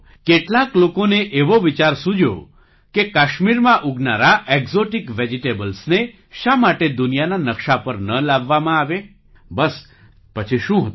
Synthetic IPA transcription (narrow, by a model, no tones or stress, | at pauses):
keʈlaklokoneʔeʋoʋit͡ʃaɾsud͡ʒʱo̰ | kekaʃmiɾmãʔuɡnaɾaʔekzoʈikʋed͡ʒiʈebəlsne | ʃamaʈed̪unijananəkʃapəɾnəlaʋːamãaʋe | bəs | pət͡ʃʰiʃũɦt̪